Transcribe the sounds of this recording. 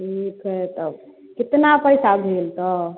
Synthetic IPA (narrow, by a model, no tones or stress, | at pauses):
ʈʰikɦet̪əb | kit̪napəjsabʱelt̪ɔ